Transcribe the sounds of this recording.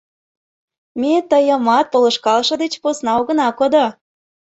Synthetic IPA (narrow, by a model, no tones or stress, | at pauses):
met̪əjə̆mɑt̪̚polə̆ʃkɑlʃɤ̆d̪et͡ɕposnɑoɣə̆nɑkod̪o